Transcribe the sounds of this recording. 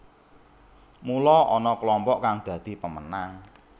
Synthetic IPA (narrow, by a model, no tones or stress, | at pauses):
mulɔʔɔnɔklɔmpɔʔkaŋd̪̥ä̤d̪̥i̤pəmənaŋ